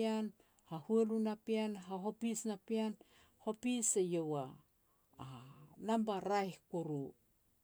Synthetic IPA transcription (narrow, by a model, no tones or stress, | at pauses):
an | hahuelunapianɦaɦo̞pisnapian | ho̞pisejowaː | nambaɾajhkuɾu